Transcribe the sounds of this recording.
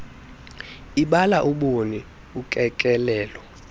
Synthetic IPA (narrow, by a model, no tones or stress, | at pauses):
iɓalaʔuɓoni | ukʼɛkʼɛlɛːlɔ